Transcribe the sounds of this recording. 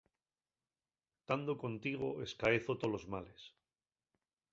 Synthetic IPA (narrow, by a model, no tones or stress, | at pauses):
t̪and̪oko̞nt̪iɣ̞o̞e̞skaeθo̞t̪o̞lo̞zmale̞s